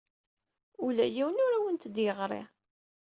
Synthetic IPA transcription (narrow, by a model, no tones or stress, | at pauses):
ulæjiwənʊɾæwənt̪d̪jəʁɾˤḭ